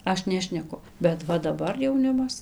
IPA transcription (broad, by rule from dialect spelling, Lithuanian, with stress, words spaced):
ˈɐʃ ˈnʲæːʃʲnʲɛkʊ bʲɛt ˈʋɐ dɐˈbɐr jɛʊˈnʲɪmɐs